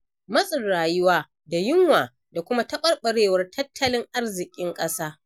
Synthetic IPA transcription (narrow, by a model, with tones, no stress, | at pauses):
mɐ˦sʼɪ˨rɽaː˨jʊ˦waː˦ | da˨jɪ˦ŋwaː˨ | da˨kʷʊ˦ma˦tɐ˦ɓɐ˦rɓɐ˨ɽeː˦˨wɐ˦rtʰɐ˦tʰːɐ˦lɪ˦ŋʔa˦rzɪ˨kʲʼɪ˦ŋkʼɐ˦saː˦